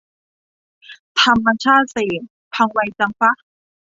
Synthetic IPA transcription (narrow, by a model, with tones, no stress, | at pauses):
t̪ʰa˧mːa˧t͡ɕʰaː˥˩t̪̚seː˨˩ŋ | pʰa˧ŋwa˧jt͡ɕa˧ŋfa˦˥